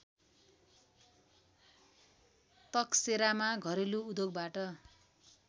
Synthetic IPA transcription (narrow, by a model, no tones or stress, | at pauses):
t̪ʌkseɾamaɡʱʌɾeluud̪oɡbaʈʌ